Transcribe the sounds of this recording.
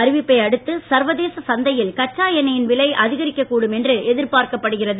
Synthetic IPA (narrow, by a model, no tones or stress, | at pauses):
ɐɾɪʋɪpːɐɪɐɽɯt̪ːɯsɐɾʋɐðeːsɐsɐnd̪ɐjɪlkɐʈt͡ʃːaːjɐnɐjɪnʋɪlɐɪʔɐðɪɣɐɾɪkːɐkːuːɽɯmɛndrɯɛðɪɾpaːɾkɐpːɐɽɯɣɪrɐðɯ